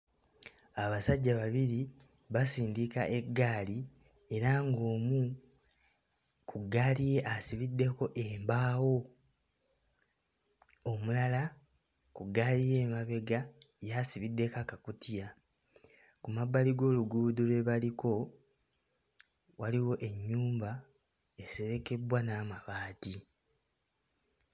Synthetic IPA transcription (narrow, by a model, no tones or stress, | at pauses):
aβasaɟːaβaβiɾi | βasiːndika̰ʔe̞ɡːaːli | e̞ɾaŋɡo̞ːmu | kʰuɡalije̞ʔasiβidːe̞ko̞ʔeːmbaːwo̞ | omulala | kuɡalije̞ːmaβe̞ɡajasiβidːe̞kakakutija | kumabːaliɡo̞ːluɡuːdulwe̞βaliko̞ | waliwo̞ʔe̞ɲːuːmba | ese̞ɾe̞ke̞bwanaːmaβaːti